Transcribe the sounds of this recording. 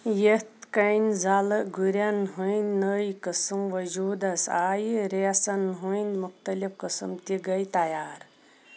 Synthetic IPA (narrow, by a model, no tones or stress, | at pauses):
jet̪kɐjnzalɨɡʱuɾjɐnɦujnnəjkəsɨmʋɐd͡ʒuːd̪ɐsaːjiɾesɐnɦuind̪muxt̪ɐlifkəsɨ̰mt̪iɡɐjt̪ɐjaːɾ